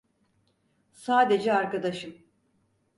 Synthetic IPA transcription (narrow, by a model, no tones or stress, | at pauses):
saːd̪e̞d͡ʒɛaɾkad̪aʃɯm